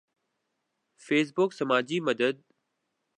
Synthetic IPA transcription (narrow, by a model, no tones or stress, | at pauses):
feːs̬bʊksəmaːd͡ʑiməd̪əd̪̚